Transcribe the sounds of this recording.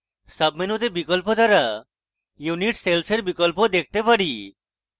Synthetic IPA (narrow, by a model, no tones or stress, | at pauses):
səbminut̪ebikɔlpod̪ʱaɾa | juniʈselseɾbikɔlpod̪ek̚ʰt̪epaɽi